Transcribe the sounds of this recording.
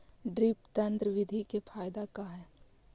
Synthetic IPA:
ɖɾɪpt̪ənt̪ɾəʋɪd̪ʱikepʰaːjd̪akaɦɛː

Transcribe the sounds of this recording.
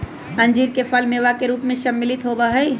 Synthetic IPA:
ɐ̃ɲd͡ʒiːɾkefʰɐlmeːʋakeɾuːpmẽʃɐmːɪlɪt̪ɦoːbaɦɛi

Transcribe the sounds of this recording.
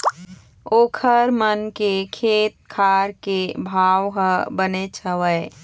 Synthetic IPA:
oːkʰəɾmənkekʰeːt̪̚kʰaːɾkebʱaːwɦəbənet͡ʃʰəʋəe

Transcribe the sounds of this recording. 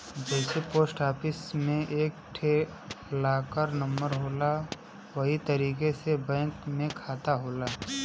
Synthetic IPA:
d͡ʒɛːsepoːsʈaːpʰɪsmẽʔeːk̚ʈʰe | laːkəɾnə̃mbəɾɦoːla | ʋɐɦit̪əɾiːkesebɛ̃ːkmẽkʰaːt̪aɦoːlaː

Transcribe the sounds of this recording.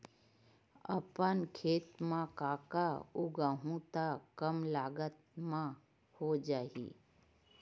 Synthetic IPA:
ə̰pənkʰeːt̪mãkaːkaʊɡəɦũt̪akəmlaːɡət̪̚mã | hod͡ʒaːḭː

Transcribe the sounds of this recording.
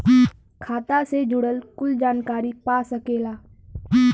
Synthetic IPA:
kʰaːt̪ased͡ʒʊɽəlkʊld͡ʒaːnkaːɾipaːsɐkeːlaː

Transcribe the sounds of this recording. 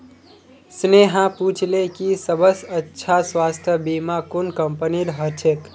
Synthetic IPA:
sneɦãput͡ʃʰlekisəbəsətːʃʰaswast̪ʰjəbimakunkəmpəniɾɦət͡ʃʰek

